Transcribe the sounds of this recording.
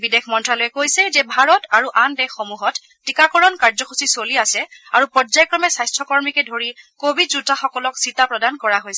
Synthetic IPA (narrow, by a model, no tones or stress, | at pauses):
bidexʰmɔntɹalɔjɛkojsɛzɛbʱaɹɔtaɹuʔandɛxomuɦɔtːikakɔɹɔnkaɹzɔxʰusisoliasɛaɹupɹɔzajkɹɔmɛsajstʰɔkɔɹmikɛdʱoɹikobidzutaxɔkɔlɔksitapɹɔdankɔɹaɦojsɛ